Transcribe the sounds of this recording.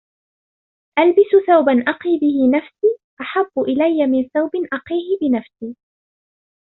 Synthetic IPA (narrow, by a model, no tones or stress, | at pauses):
ʔalbɪsʊθawbanʔɑqiːbɪhɪnafsiːʔaħabːʊʔɪlajːamɪnθawbɪnʔɑqiːhɪbɪnafsiː